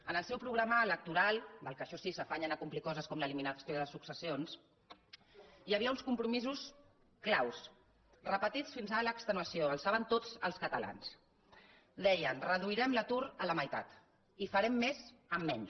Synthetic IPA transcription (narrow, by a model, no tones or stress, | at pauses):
ənəlˠsɛwpɾuɣɾaməːlək̚t̪uɾalˠd̪əlˠkəʃɔsisəfaɲənəkumplikɔzəskɔmləliminəsioðəðəsuksəsions | jəβiəunskumpɾumizus | klaws | rəpət̪it͡sfinzaələkst̪ənuəsioəlˠsaβənt̪od͡zə̰lˠskət̪əla̰ns | d̪ɛjənrəðuiɾɛmlət̪uɾələməjt̪a̰t̪ | ifəɾɛmːezəmːɛɲ